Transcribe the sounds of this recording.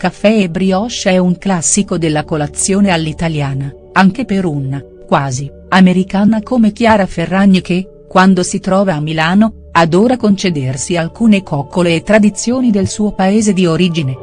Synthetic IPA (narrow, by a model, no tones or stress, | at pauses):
kafːɛebɾiɔʃɛuŋklasːikod̪elːakolat̪sːjoːnealːit̪aljaːna | aŋkepeɾunːa | kwaːzi | ameɾikaːnakomek̟jaːɾaferːaɲːoke | kːwand̪osit̪ɾɔːvaːmːilaːno | ad̪oːɾakont͡ʃed̪ersialkuːnekɔkːolelet̪ɾad̪it̪sːjoːnid̪elsuːopaeːzed̪ioɾiːd͡ʒine